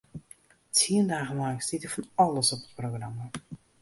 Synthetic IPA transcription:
tʰiəndaːɣənlaŋstitəfɑnɑləsɔpət̚prowɣrɑma

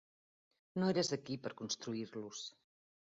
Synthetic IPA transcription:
noeɾəzəkipəɾkunst̪ɾuiɾlus

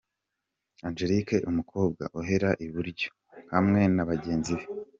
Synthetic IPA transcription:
and͡ʒe̞ɾike̞ʔumukʰo̞ːb̚ɡa̰ʔuɦe̞ɾaʔiβuɾɟo̞̥ | hamŋe̞naβaɟe̞ːnziβe

